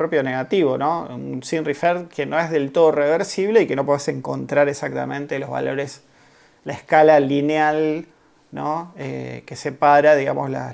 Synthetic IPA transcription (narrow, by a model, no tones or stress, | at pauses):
pɾopjo̞neɣat̪iβonounsinrifeɾðkeno̞ezðe̞lt̪o̞ð̞oreβeɾsiβle̞ikeno̞poðeseŋko̞̰nt̪ɾaɾesak̚t̪a̰mẽnt̪elozβa̰lo̞ɾes | laehkalalinjal | noḛkesepaɾaðiɣamʔosla̰